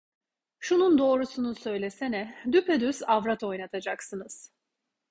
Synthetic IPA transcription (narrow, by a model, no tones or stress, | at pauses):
ʃunund̪o̞ːɾusunusø̞jlʲe̞senɛd̪ypʰed̪yzavɾat̪ʰo̞jnat̪ʰad͡ʒaksɯnɯz̥